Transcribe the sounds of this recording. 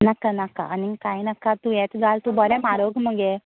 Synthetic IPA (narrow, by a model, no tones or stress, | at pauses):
nɐkːanɐkːa̰ʔɐniŋɡkajnɐkːat̪ueːt̪ɡaːlt̪ubɔɾemaːɾoːɡmɐŋɡe